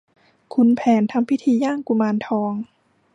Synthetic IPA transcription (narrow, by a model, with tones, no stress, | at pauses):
kʰu˧npʰɛː˨˦nt̪ʰa˧˥mpʰi˦˥t̪ʰiː˧jaː˥˩ŋku˧˩maː˧nt̪ʰɔː˧ŋ